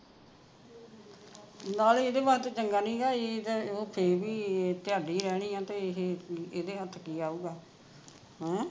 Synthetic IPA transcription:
naːleːd̪eːbaːɾet̪ot͡ʃəŋɡaːnĩːɡaːed̪oːpʰeɾbiːt̪jaːɖiːɾɛːɽ̃iːãːt̪eːeɦeeːd̪eːət̪ʰːkiːaːuːɡaː | ɦɛ̃ː

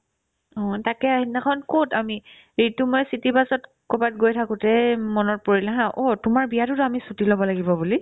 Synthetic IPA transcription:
ɔ̃takɛaɦinakʰɔnkotami | ɹitumɔjsitipasɔt | kɔbat̚ɡojtʰakʊ̃tɛmɔnɔt̚poɹilaɦãʔɔtʊmaɹbijatʊtʊamisutilɔbɔlaɡibɔbuli

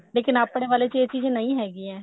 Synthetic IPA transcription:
leːkɪnaːpɽeːʋaːleːt͡ʃeːt͡ʃiːzẽːnəĩːɦɛːɡiːɛ̃ː

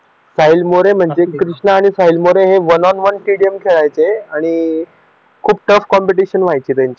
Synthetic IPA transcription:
sailmoɾem̤əɳd͡zekɾiʂɳəːɽ̃isaɦilmoɾeɦeʋənɔnʋənʈiɽijəmkʰeɭajt͡seaɽ̃i | kʰuːb̚ʈəfkɔmpiʈiɕənʋajt͡ɕiːt̪aɲt͡ɕe

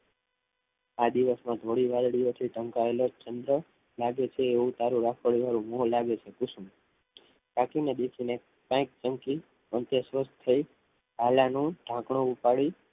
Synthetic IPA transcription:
ad̪iʋəsmãd̪ʱoɽiʋalɽijot̪ʰiɖʱə̃ŋkaelot͡ʃənd̪ɾə | laɡet͡ʃʰeːũt̪aɾũɾakʰəɭiʋaɾũmolaɡet͡ʃʰekusũ | kakined̪ekʰine | pãk̚t͡ʃəmki | ənt̪jesʋəst̪t̪ʰːəi | ɦalanũɖ̥ʱãkɳõupaɭi

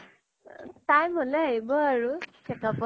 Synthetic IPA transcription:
tajmɔlɛaɦibɔaɹukʰɛkapɔ

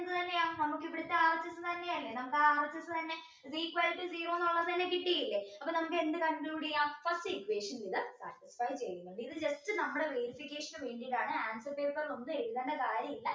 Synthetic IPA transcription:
nd̪ɨt̪ɐnːe̞aːnɐmukːipːiɽit̪ːɐaːrɐt͡ɕːɐsːɨt̪ɐnːejailːenɐmukːaːrɐt͡ɕːɐsːɨt̪ɐnːe̞ | ziːkʋaːlpːɨsiːroːnoɭːɐst̪ɐnːe̞kiʈːijɐilːeɐpːɐnɐmukːɨe̞nd̪ɨkɐɳkluːɽijãːfɐstɨikːʋeːʂɐnmiðɨsa̰ːʈisfɐjt͡ɕejʋimːeɳɖɨiðɨd͡ʑɐstɨnɐmːuɽe̞ʋeɾifikʲːe̞ːʂɐnʋe̞ːɳɖijɽaːɳɨaːnsɐrpeːrkːɐɾlo̞nːɨeɻuðɐɳɖɐkaːɾjɐmilːɐ

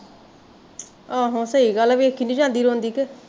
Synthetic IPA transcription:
aːɦõsəiːɡəlaːbiekʰːiːnĩːd͡ʒãːnd̪iːɾõːnd̪iːke

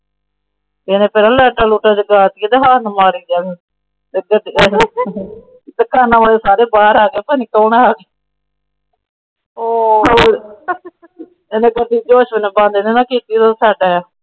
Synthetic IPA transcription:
eːneːpɛnãːlɛːʈaːluːʈaːd͡ʒəɡaːt̪ieːt̪eːɦaːnmaːɾiːd͡ʒaː | t̪eːɡəd̪i | t̪eːkaːnãːʋaːleːsaːɾeːbaːɾaːɡeːpəːniːk̪ɔːneaːɡeː | eːnẽːɡəd̪iːd͡ʒoːʃʋənẽːbãnd̪enẽːnãːkiːt̪it̪osɛːʈaːjaː

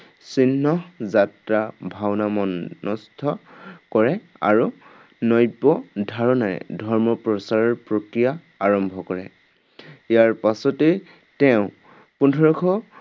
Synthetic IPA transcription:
sinːɔzatɹabʱawnamɔnɔstʰɔkɔɹɛ | a̰ɹu | nɔjpɔdʱaɹɔnaɹɛ̰dʱɔɹmɔpɹɔsaɹɔɹpɹokɹija | aɹɔmbʱɔkɔɹɛ̰ | jaɹpasɔtɛ | tɛʊ̃ | pundʱɔɹɔkʰɔ

